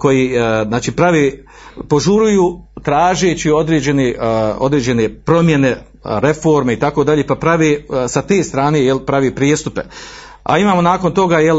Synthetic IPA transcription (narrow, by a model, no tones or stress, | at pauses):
ko̞jiznaːt͡ʃiːpɾaʋeː | po̞ʒuɾujuːt̪ɾaːʒeːt͡ɕio̞d̪ɾeːd͡ʑe̞neo̞̰d̪ɾeːd͡ʑe̞nepɾo̞mje̞ne̞ | ɾe̞foːɾmeit̪ako̞d̪aʎeːpapɾaʋesat̪e̞ːst̪ɾaːnejelpɾaʋeːpɾist̪upḛ | a̰imaːmo̞naːko̞nt̪o̞ɡajel